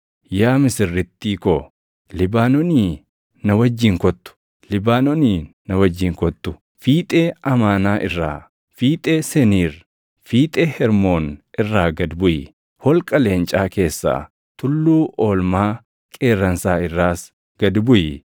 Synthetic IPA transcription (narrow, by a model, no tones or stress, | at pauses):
jaːmɪsɪrːɪt̪ːiːkɔ | lɪbaːnɔniː | nɐwɐd͡ʒːiːŋkɔt̪ːʊ̥ | lɪbaːnɔniːnɐwɐd͡ʒːiːŋkɔt̪ːʊ | fiːt̪ʼeːɐmaːnaːʔɪrːa̰ː | fiːt̪ʼeːsɛniːɾ | fiːt̪ʼeːhɛɾmoːnɪrːaːɡɐd̪bʊjɪ | hɔlkʼɐle̞ːnt͡ʃʼaːke̞ːsːa̰ː | t̪ʊlːuːʔoːlmaː | kʼeːrːɐnsaːɪrːaːs | ɡ̥ɐd̪bʊjɪ